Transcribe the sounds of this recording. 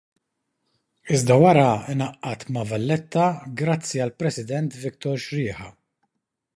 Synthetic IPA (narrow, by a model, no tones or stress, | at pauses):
ɪzd̪ɐwɐɾɐɪnɐʔːɐt̪mɐvɐlːɛt̪ːɐɡɾɐt͡sːiɐlpɾɛsɪd̪ɛnt̪vɪkt̪ɔɾʃɾɪːħɐ